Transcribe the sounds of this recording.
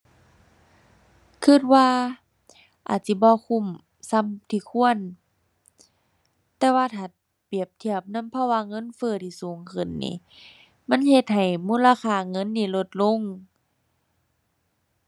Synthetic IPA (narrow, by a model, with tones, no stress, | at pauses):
kʰɯ˧˥˩t̪̚waː˧˨ | ʔa̰ː˨˩t̪̚si˧˩bɔː˧˦kʰu˧˨m | sa˧˥˨mt̪ʰiː˧˩kʰu˧˨ən | t̪ɛː˧waː˧˨t̪ʰa˨˩t̪̚ | pi˨˩əp̚t̪ʰi˧˩əp̚na˧˥˨mpʰɔ˧˨waː˧˨ŋɤ˧˥˨nfɤː˧˩˨t̪ʰiː˧˨suː˨˦ŋkʰɯ˧˩nːḭː˧˨˦ | ma˧˥˨nhe˧t̪̚ha˨˩jmuː˧˥˨la˧kaː˧˩ŋɤ˧˥˨nːiː˧˩lo˧t̪̚lo˧˥˨ŋ